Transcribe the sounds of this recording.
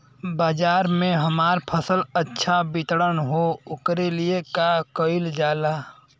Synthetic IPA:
baːd͡ʒaːɾmẽɦəmaːɾpʰəsələtːʃʰabɪt̪ɽənɦoʊkɾeliekakəɪld͡ʒaːlaː

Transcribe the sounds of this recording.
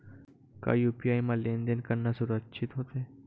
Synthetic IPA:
ka̰ːiupijajmãlend̪ənkəɾnasuɾəkʃʰit̪ɦot̪e

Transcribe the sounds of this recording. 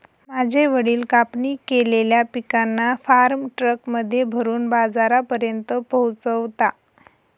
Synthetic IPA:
mad͡ʑʱeʋəɽiːlkapnikeleljapikanːafaɾmʈɾəkməd̪ʱːjebʱəɾuːnbad͡zaɾapəɾjənt̪əpəɦut͡səʋt̪a

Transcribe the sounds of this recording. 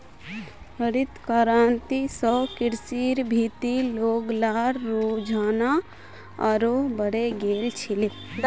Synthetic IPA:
əɾɪt̪kaɾaːnt̪isɔːkɪɾsiːɾbʱiːt̪iloːɡlaːɾːuːd͡ʒʱaːna | aɾobəɽeɡeːlt͡ʃʰɪle

